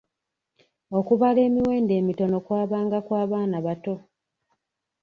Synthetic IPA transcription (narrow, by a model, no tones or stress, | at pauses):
o̞kuβale̞ːmiwe̞ːnde̞ːmito̞no̞kwaːβaːŋɡakwaːβaːnaβato̞